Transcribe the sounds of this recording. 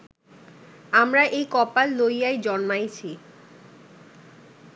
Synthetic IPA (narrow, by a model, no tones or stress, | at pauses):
amɾaʔejkɔpalːojajd͡ʑɔnmajt͡ɕʰi